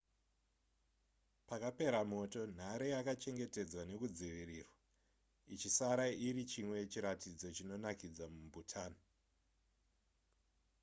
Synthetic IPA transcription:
pakape̞ɾamo̞to̞n̤aɾejakat͡ʃe̞ŋɡe̞te̞d͡zwane̞kud͡ziʋiriːrwa | it͡ʃisaɾaiɾit͡ʃimwe̞t͡ʃiɾatid͡zo̞t͡ʃino̞nakid͡zamumbʱutʰaːna

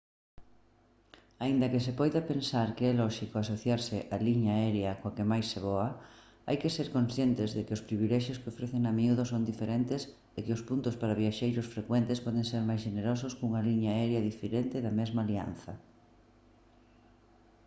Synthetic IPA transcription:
aind̪ɐkɪsepɔjðɐpensaɾkeɛlɔʃikoasoθjaɾsɪʔaliɲaɛɾeɐkoakemajsːeβɔɐ | a̰jkeseɾkõnsθjent̪ɪzðekɪʊspɾiβilɛʃjʊskɪofɾeθeŋamiuðosond̪ifeɾent̪es | ekɪʊspunt̪ʊspaɾaβiaʃejɾʊsfɾekwɛnt̪espɔðeŋseɾmajsʃeneɾɔsʊskuŋɐliɲaɛɾeɐðifeɾent̪eðɐmɛzmalia̰n̟θɐ

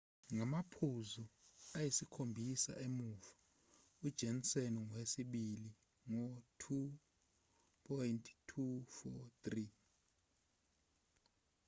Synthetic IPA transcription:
ŋamapʰuzuajisikʰombʱisa̰ʔemuːfḁ | ud̥ʒ̥ʱeniseniŋwesiɓili | ŋɔtʰu | pʰɔjntʰtʰufɔt̪ri

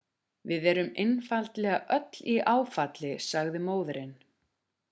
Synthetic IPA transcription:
vɪðɛɾʏmɪnfalt̪lɛːɣaʔœt̪l̥iʔaːwfat̪lɪsaɣðɪmoːwðɾɪn

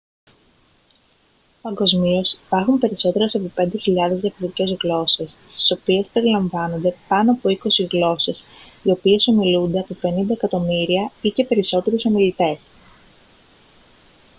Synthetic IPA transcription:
pɐŋɡo̞zmio̞sipɐɾxumpe̞ɾiso̞t̪e̞ɾɐsepope̞nd̪e̞çiʎɐðe̞zðjɐfoɾit̪ice̞zɣlo̞se̞sst̪i̥so̞pie̞spe̞ɾilɐɱvɐno̞nd̪e̞pɐnoɐpo̞iko̞siɣlo̞se̞sio̞pie̞so̞milund̪e̞ɐpope̞nind̪ɐekɐt̪o̞miɾiɐice̞pe̞ɾiso̞t̪e̞ɾuso̞milit̪e̞s

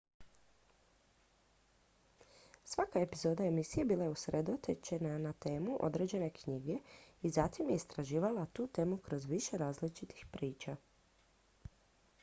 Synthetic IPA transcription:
sʋakae̞pizo̞ːd̪ae̞misije̞biːlajeusɾʔed̪ot̪et͡ʃenanat̪e̞ːmuʔo̞̰d̪ɾe̞d͡ʑe̞ne̞kɲiɡe̞izat̪imjeist̪ɾaʒiːʋalat̪uːt̪e̞ːmukɾo̞zʋiʃe̞ɾaːzlit͡ʃit̪i̥xpɾiːt͡ʃa

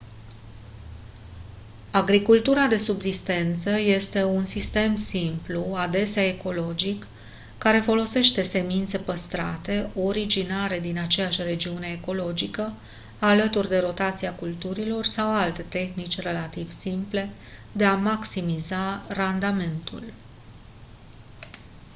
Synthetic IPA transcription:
aɡɾikult̪uɾad̪e̞subzist̪e̞nt̪səje̞st̪e̞unsist̪e̞msimpluad̪e̞seaeko̞lo̞d͡ʒikː | aɾe̞fo̞lo̞se̞ʃt̪e̞se̞mint̪se̞pəst̪ɾa̰t̪e̞o̞ɾid͡ʒinaɾe̞d̪inat͡ʃe̞jaʃʲre̞d͡ʒiune̞ːko̞lo̞d͡ʒikə | alət̪urd̪e̞ɾo̞t̪at̪siakult̪uɾilo̞rsawalt̪e̞t̪e̞xnit͡ʃʲre̞lat̪iv̥simple̞ | d̪e̞amaksimizarand̪ame̞nt̪ṵl

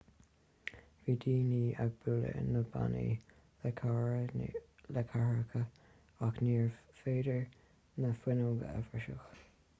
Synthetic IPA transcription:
viːd̪iːniːaɡ̚buːlə̰nəba̰nḭ | kʰaɹəlɛkʰaɹəkʰə | akniːɹfeːdəɹ | nəfwɪnoːɡə̰ɛfəʃə̰x

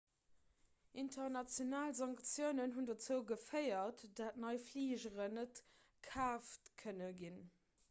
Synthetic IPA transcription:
ʔintʰɐʁnɑt͡sjonaːlzɑŋkt͡sjəʊnənɦundɐt͡səʊɡəfəɪɐtd̥atnɑɪfliːʒəʁənət | kʰaːftkʰənəɡin

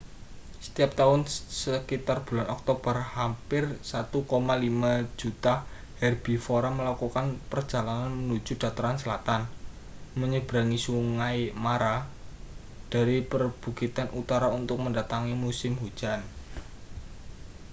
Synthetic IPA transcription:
sə̥t̪iap̚t̪aʊnsəkit̪arb̥ṳlanɔk̚t̪ob̥ərhampɪrsat̪ukomalimḁd͡ʒ̥ut̪a | hɛrb̥i̤foɾaməlakukanpərd͡ʒ̥a̤lananmənu̥d͡ʒ̥ṳd̥a̤t̪əɾansəlat̪an | məɲəb̥ɾaŋisuŋajmaɾa | d̥a̤ɾipərb̥ṳɡit̪anʔut̪aɾaunt̪ʊk̚məndat̪aŋimusɪmhu̥d͡ʒ̥an

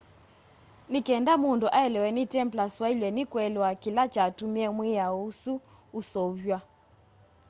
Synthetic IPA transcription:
nikɛndamunduʔaɛlɛwɛnitɛmplaswailwɛnikwɛlwakilat͡ʃatumiɛmwijausuː | sɔβjwa

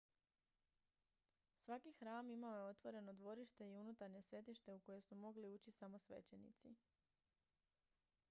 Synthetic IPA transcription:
sʋakixɾaːmimaoje̞o̞t̪ʋo̞ɾe̞no̞d̪ʋo̞ɾiʃt̪e̞iunut̪aɾɲe̞sʋe̞t̪iʃt̪e̞uko̞je̞sumo̞ɡliuːt͡ɕisamo̞sʋe̞̰t͡ɕe̞nḭt̪si

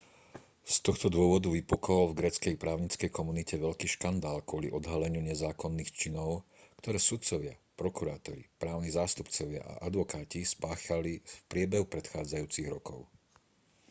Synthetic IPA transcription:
st̪ɔxt̪ɔd̪ʊɔʋɔd̪uʋipɔkɔɔlvɡɾɛːt͡skɛjpɾaːʊɲit͡skɛjkɔmunicɛʋɛʎkiːʃkand̪aːlkʊɔlḭʔɔd̪ɦalɛɲɪuɲɛzaːkɔnːiːxt͡ʃinɔʊkt̪ɔɾɛːsut̪t͡sɔʋɪa̰pɾɔkuɾaːt̪ɔɾḭpɾaːʊnizaːst̪upt͡sɔʋɪa̰ʔa̰ʔad̪ʋɔkaːcispaːxalifpɾɪɛbɛɦupɾɛt̪xaːd͡zajuːt͡siɣɾɔkɔʊ

